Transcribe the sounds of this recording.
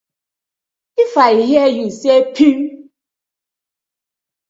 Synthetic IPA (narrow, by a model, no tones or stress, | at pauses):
ifaiɦiejusiepʰi